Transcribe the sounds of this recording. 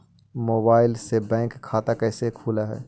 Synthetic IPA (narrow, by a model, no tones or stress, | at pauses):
moːbaːɪlsebɛ̃ːŋkʰːaːt̪akɛːsekʰuːlaɦɛ̰ː